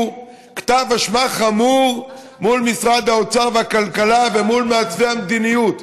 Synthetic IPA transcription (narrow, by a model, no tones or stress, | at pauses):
kt̪avaʃmaχamuʁ | mulmisʁad̪haot͡saʁveakalkalavemulmeat͡svehamd̪inijut̪